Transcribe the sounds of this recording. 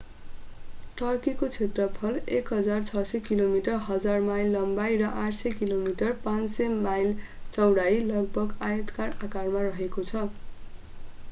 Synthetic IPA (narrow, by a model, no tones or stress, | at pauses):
ʈʌrkikot͡sʰet̪rʌpʰʌlekɦʌd͡zart͡sʰʌsʌkilomiʈʌrɦʌd͡zarmajlːʌmbajrʌʔaʈsʌkilomiʈʌrpãnsemajl | t͡sʌwɽajlʌɡ̚bʱʌɡajʌt̪karakarmarʌɦekot͡sʰʌ